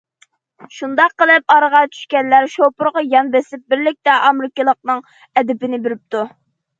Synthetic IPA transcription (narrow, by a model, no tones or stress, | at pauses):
ʃund̪ɑqːəlˠɨp̚ɑɾʁɑt͡ʃʰy̥ʃkʲɛnlæɾʃopʊɾʁɑjɑnbɛsɪp̚bɪɾlɪk̚ʲt̪ɛʔɑmɾɪkəlˠəq̚nɨŋ | ɛd̪ɪpɪnɪbɪɾɪp̚t̪u